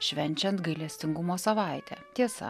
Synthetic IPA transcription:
ʃʲʋʲɛnʲt͡ʃʲɛnt̪ɡɐɪlʲɛsʲt̪ʲɪŋɡʊmoːsɐʋɑˑɪt̪ʲɛ̰ːt̪ʲiɛsɐ̰

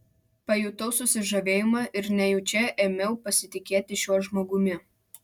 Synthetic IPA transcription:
pɐjʊt̪ɔʊsʊsʲɪʒɐʋʲeːjɪmɑʔɪɾnʲɛjʊt͡ʃʲɛʔeːmʲɛʊpɐsʲɪt̪ʲɪkʲeːt̪ʲɪʃʲuɔʒmoːɡʊmʲɪ

